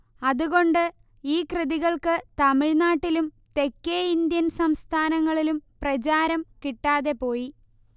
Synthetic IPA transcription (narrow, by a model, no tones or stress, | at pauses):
ɐðuɣo̞ɳɖɨ | iːkrɨðiɣɐɭkɨt̪ɐmiɻnaːʈːilum | t̪e̞kːeind̪jɐnsɐmst̪ʰaːnɐŋːɐɭilumprɐt͡ɕaːɾɐmkiʈːaːðe̞po̞ːji